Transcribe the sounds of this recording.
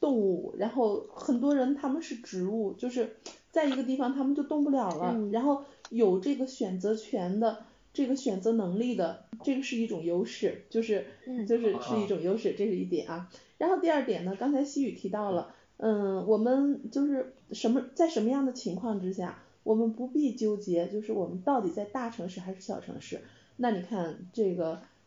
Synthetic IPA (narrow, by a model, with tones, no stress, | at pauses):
t̪ʊ˥˧ŋu˥˩ɻa˧˥nxo˥˩ʊxə˨˩nt̪wɔ˥ɻə˧˥nt̪ʰa˥mə˨nʂɻ̩˥˩ʈ͡ʂɻ̩˧˥u˥˩t͡ɕjo˥˧ʊʂ̬ɻ̩˥˩t͡sa˥˩ɪi˧˥ɡə˧t̪i˥˩fɑ˩ŋt̪ʰa˥mə˨nt͡ɕjo˥˧ʊt̪ʊ˥˧ŋp̬u˥˩ljɑ˨˩ʊlə˦ɻa˧˥nxo˥˩ʊjo˨˩ʊʈ͡ʂɤ˥˩ɡə˩ɕɥɛ˨˩nt͡sɤ˧˥t͡ɕʰɥɛ˧˥nd̪ə˧ | ʈ͡ʂɤ˥˩ɡə˩ɕɥɛ˨˩nt͡sɤ˧˥nɤ˧˥ŋli˥˩d̪ə˩ʈ͡ʂɤ˥˩ɡə˩ʂɻ̩˥˧i˥˩ʈ͡ʂʊ˨˩ŋjo˥ʊʂɻ̩˥˩t͡ɕjo˥˧ʊʂɻ̩˥˧t͡ɕjo˥˧ʊʂɻ̩˥˧ʂɻ̩˥˧i˥˩ʈ͡ʂʊ˨˩ŋjo˥ʊʂɻ̩˥˧˩ʈ͡ʂɤ˥˧ʂɻ̩˥˧i˥˩t̪jɛ̰˨˩nɐ˥ɻa˧˥nxo˥˧ʊt̪i˥˧ɐ˞˥˩t̪jɛ˨˩nə˦kɑ˥ŋt͡sʰɪɕi˥y˨˩t̪ʰi˧˥t̪ɑ˥˩ʊlə˩˥˩ | wɔ˨˩mə˦nt͡ɕjo˥˧ʊʂɻ̩˥˩ʂə˧˥nmə˧t͡sa˥˩ɪʂə˧˥nmə˧jɑ˥˩ŋd̪ə˩t͡ɕʰi˧˥ŋkʰwɑ˥˩ŋʈ͡ʂɻ̩˥ɕja˥˩ | wɔ˨˩mə˦npu˧˥pi˥˩t͡ɕjo˥ʊt͡ɕjɛ˧˥t͡ɕjo˥˧ʊʂɻ̩˥˩wɔ˨˩mə˦nt̪ɑ˥˩ʊt̪i˨˩t͡sa˥˧ɪt̪a˥˩ʈ͡ʂʰɤ˧˥ŋʂɻ̩˥˩xa˧˥ɪʂɻ̩˥˩ɕjɑ˨˩ʊʈ͡ʂʰɤ̰˧˥ŋʂɻ̩˥˩ | na˥˩ni˨˩kʰa˥˩nʈ͡ʂɤ˥˩ɡə˩